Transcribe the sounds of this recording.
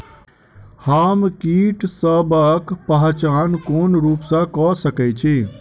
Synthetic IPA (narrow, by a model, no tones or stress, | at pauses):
hamkiʈsəbəkpəɦt͡ʃankonɾupsãkɔsəkɛt͡ʃʰi